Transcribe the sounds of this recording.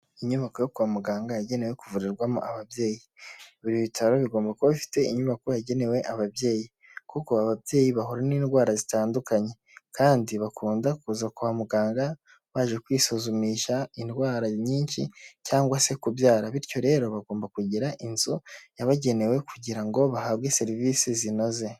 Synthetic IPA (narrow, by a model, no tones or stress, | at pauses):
iɲuβako̞jokuβamuɡaːŋɡajaɟe̞ne̞we̞kuvuɾiɾɡwamṵʔaβabje̞ːjiβuɾiβitʰaɾo̞βiɡo̞ːmbakoβifi̥te̞ḭɲuβako̞jaɟe̞ne̞we̞ʔaβabje̞ːji | kuko̞aβabje̞ːjiβaɦoɾaniːnɡwaːɾazitaːndukaɲe̞ | kaːndiβakuːndakuzakuhamuɡaːŋɡa | βaʒe̞kwiːsozumiʃaindwaːɾaɲiːnʃḭcaːŋɡwase̞kubjaːɾaβiɾjo̞ɾe̞ːɾo̞βaɡo̞ːmbakuɟiɾaʔinzujaβaɟe̞ne̞we̞kuɟiɾaŋɡo̞βahabɡe̞se̞ɾiviːsizino̞ze̞